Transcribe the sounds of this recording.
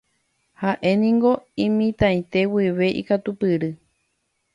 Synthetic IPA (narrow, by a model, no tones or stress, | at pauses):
haʔe̞nĩŋɡo̞ĩmĩt̪ãj̃t̪e̞wiʋe̞ʔḭkat̪upɨɾɨ